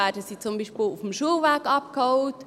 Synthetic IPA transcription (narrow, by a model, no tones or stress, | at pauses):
æːdəsiːt͡sʊmbiːʃpɪːlufm̩ʃuəlvæːɡɑp̚khɔʊt